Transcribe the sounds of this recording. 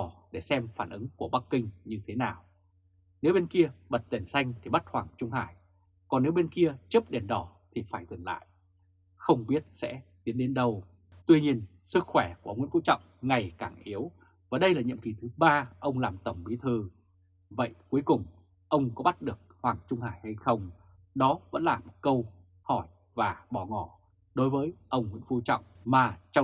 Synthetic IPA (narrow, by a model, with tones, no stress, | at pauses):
ɗe˧˩sɛ˧mfaː˧˩nʔɨ̰˨˦ŋku˧˩əɓa˦˥kːï˧ŋ̟ɲɨ˧t̪ʰe˨˦naː˨˩w | ne˨˦wɓe˧nki˧əɓə˨˩t̚t̪e˨˩nsa˧jŋ̟t̪ʰi˨˩ɓa˦˥t̚hwaː˨˩ŋt͡ɕʊ˧ŋ͡mhaː˧˩j | kɔ˨˩nːe˨˦wɓe˧nki˧ət͡ɕɨ˦˥p̚ɗe˨˩nɗɔ˧˩t̪ʰi˨˩faː˧˩jzə˨˩ŋla̰ː˧˨jʔ | xə˧wŋ͡mɓi˦˥ət̚sɛ̰˧˥t̪i˨˦ənɗe˨˦nɗə˧w | t̪wi˧ɲi˧ən | sɨ˦˥k̚xwɛ˧˩ku˧˩˨ə˧ŋ̰˧˥˦fṵ˧˥t͡ɕɔ̰˧˨wŋ͡mŋa˨˩jkaː˧˩ŋʔi˨˦əw | vaː˨˩ɗə˧jlaː˨˩ɲɨ̰˧˨əmki˨˩t̪ʰɨ˨˦ɓaː˧ʔə˧wŋ͡mlaː˨˩mt̪ə˧˩wŋ͡mɓi˨˦t̪ʰɨ˨˧˩ | və̰˧˨jku˨˦əjkʊ˨˩ŋ͡m | ʔə˧wŋ͡mkɔ˨˦ɓa˦˥t̚ɗɨ˨˩ək̚hwaː˨˩ŋt͡ɕʊ˧ŋ͡mhaː˧˩jha˧jxə˧wŋ͡m | ɗɔ˨˦və̰˧˥nlaː˨˩mkə˧w | hɔ˧˩j | vaː˨˩ɓɔ˧˩ŋɔ˧˩ | ɗo˨˦jvəː˨˦jʔə˧wŋ͡mŋḭ˧˥nfu˧˩t͡ɕɔ̰˧˨wŋ͡mmaː˨˩t͡ɕɔ˧